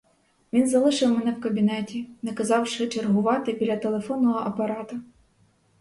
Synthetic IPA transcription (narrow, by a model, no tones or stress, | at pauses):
ʋʲinzɐlˠɪʃɪwmɛnɛwkɐbʲinɛtʲinɛkɐzɑwʃɪt͡ʃerɦʊʋɑt̪ɪbʲilʲɐt̪elˠefɔnːɔɦɔʔɐpɐɾɑt̪ʊ